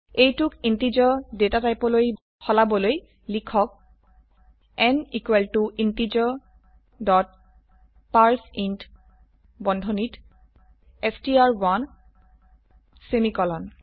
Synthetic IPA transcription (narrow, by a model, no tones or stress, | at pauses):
ejtukintizɔdetatajpɔloj | xɔlabɔloj | likʰɔk̚ | ɛnikweltuʔintizɔ | dɔt̚ | paɹsint | bɔndʱɔnit | ɛstiaɹwan | semikɔlɔn